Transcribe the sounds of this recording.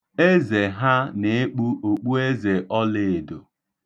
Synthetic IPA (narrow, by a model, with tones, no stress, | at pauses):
e˦ze˨ɦa˦ne˨e˦k͡pu˦o˨k͡pu˦e˦ze˨ʔɔ˦le˨do˨